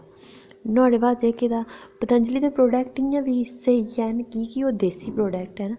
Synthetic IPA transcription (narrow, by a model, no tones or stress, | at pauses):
naːɽeːbaːd̪eːked̪aːpət̪əɲd͡ʒliːd̪eːpɾoːɖɛːk̚ʈɪjãːʋiːɪseːjɛːnkiːkioːd̪eːsiːpɾoːɖɛːk̚ʈɦɛːn